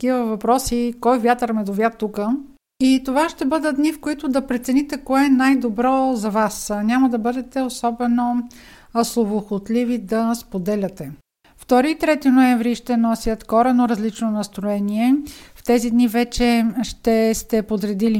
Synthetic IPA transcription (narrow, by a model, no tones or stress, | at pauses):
kivəvɐpɾɔsikɔjvjat̪əɾmɛd̪ovʲjat̪ːukə | it̪ovaʃt̪ɛbɤd̪əd̪nifkoit̪ʊd̪ɐpɾɛt̪sɛnit̪ɛkɔɛnajd̪obɾɔzɐvasnʲamɐd̪ɐbɤd̪ɛt̪ɛosɔbɛno | slˠovoxot̪livid̪ɐspod̪ɛlʲɐt̪ɛ | ft̪ɔɾiːt̪ɾɛt̪inoɛɱvɾiʃt̪ɛnɔsʲjət̪kɔɾɛnoɾɐzlit͡ʃnonɐst̪ɾoɛniɛft̪ɛzid̪nivɛt͡ʃɛʃt̪ɛst̪ɛpod̪ɾɛd̪ili